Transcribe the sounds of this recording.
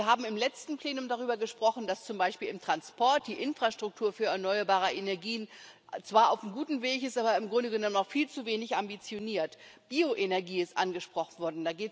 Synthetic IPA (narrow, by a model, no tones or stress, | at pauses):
ɐɦaːbm̩ɪmlɛt͡stn̩pl̥eːnʊmdaʁ̞yːbɐɡəʃpʁ̥ɔχn̩dast͡sʊmbaɪʃpiːlɪmtʁ̥anspɔɐt̚d̥iːʔɪnfʁ̥aʃtʁ̥ʊk̚tʰuːɐfyːɐɛɐnɔʏɐbaːʁəʔenɛɐɡiːənt͡sv̥aːɐʔaʊfm̩ɡuːtn̩veːçɪstʔaːbɐɪmɡʁʊndəɡənɔmənaʊxfiːlt͡suveːnɪçʔambit͡sjoniːɐtb̥iːoʔenɛɐɡiːɪstʔanɡəʃpʁ̥ɔχn̩vɔɐdn̩daːɡeːt